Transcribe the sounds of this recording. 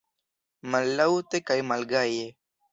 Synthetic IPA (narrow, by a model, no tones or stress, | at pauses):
mɐlːaut̪ekɐjmɐlɡaje